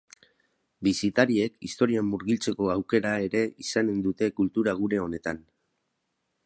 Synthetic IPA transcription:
bisit̪aɾie̞kist̪o̞ɾiamːuɾɣilt͡se̞ko̞awke̞ɾae̞ɾe̞isane̞nd̪ut̪e̞kult̪uɾaɣ̞uɾe̞o̞ne̞t̪an

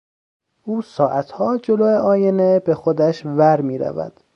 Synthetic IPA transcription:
ʔuːsɒːʔæt̪ʰhɒːd͡ʒoloeɒːjenebe̞xod̪æʃvæɾmiːɾæ̰væ̰d̪̥

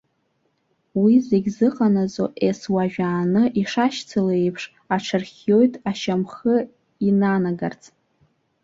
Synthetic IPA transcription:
wizeɡʲzɨqʼanazo̰ʔeswaʒᶣaːnɨʔiʂaʃt͡sʰaleejpʰʂ | aʈ͡ʂʰarχʲjo̞jtʼaʃamχə | inanaɡart͡sʼ

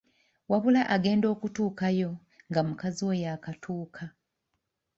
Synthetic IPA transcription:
waβulaʔaɡe̞ːndo̞ːkutuːkajo̞ | ŋɡamukaziwejakatʰuːkʰa

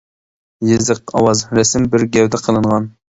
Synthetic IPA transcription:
jezɨqɑ̰wɑzɾɛsɪmbɪɾɡʲɛwd̪ɛqʰəlˠɨɴʁɑn

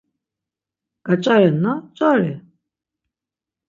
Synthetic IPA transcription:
ɡ̥at͡ʃʼaɾɛnat͡ʃʼaɾɛ

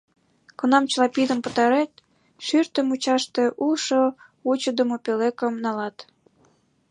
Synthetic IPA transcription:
konɑmt͡ɕlɑpid̪ə̆mpə̆t̪ɑɾet̪̚ | ʃyrt̪əmut͡ɕɑʃt̪eʔuʃo | ut͡ɕəd̪əmopelekəmnɑlɑt̪

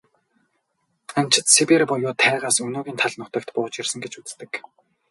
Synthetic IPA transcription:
anʲt͡ɕʰɪ̆t̪sewerpɔjʊːt̪ʰæːʁaːsɵnoːɣʲiːnt̪ʰaɮnʊt̪ə̆kt̪pʊːt͡ɕirsə̆ŋɡet͡ɕut͡st̪ɘ̆k

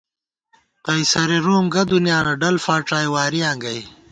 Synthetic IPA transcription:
qɐjsɐɾeɾoːmɡɐd̪unjaːnɐɖɐlfaːʈaːjwaːɾiãːŋɡɐj

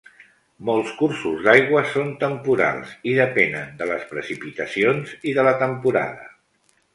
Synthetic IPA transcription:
molˠskursuzd̪ajɣwəsont̪əmpuɾa̰lˠziðəpɛnənd̪ələspɾəsipit̪əsionziðələt̪əmpuɾa̰ð̞ə

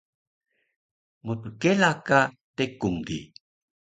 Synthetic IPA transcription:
mutukelaka | tekuŋdḭ

